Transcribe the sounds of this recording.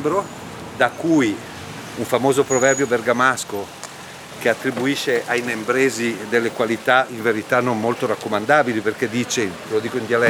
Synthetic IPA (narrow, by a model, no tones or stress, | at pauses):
bɾo | d̪akːuj | uɱfamoːzopɾovɛrbjoverɡamasko | keat̪ːɾibuiʃːeʔajnembɾeːzid̪elːekwalit̪aiɱveɾit̪anːommolt̪oɾakːomand̪aːbiliperked̪ːiːt͡ʃe | lod̪iːkoind̪jalɛ